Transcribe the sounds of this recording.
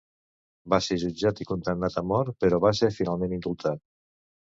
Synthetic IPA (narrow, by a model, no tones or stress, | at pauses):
baseɾʒud͡ʒat̪ikunt̪emnat̪amɔɾpəɾɔβaseɾfinalˠmẽnind̪ulˠt̪ʰat̪̚